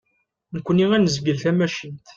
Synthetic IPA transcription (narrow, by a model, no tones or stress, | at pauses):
nəkʷːəniŋænəzɡəlθæmæʃint̪